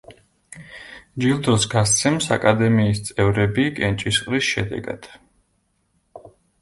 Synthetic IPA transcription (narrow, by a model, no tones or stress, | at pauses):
d͡ʒilˠd̪ɾɔsɡast̪sʰɛmsa̰kʼad̪ɛmiːst̪sʼɛvɾɛbikʼɛnt͡ʃʼisχqʼɾisʃɛ̰d̪ɛ̰ɡa̰d̪̥